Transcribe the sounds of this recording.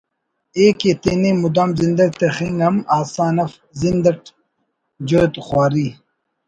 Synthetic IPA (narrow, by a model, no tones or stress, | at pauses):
eːket̪enemud̪aːmzind̪ɐʈ̚t̪exiŋɡɐmaːsaːnɐf | zind̪ɐʈ | d͡ʑoːjt̪χwaːɾi